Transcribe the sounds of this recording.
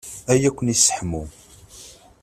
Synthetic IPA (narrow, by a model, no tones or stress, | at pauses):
æjækʷːənisːə̥ħmu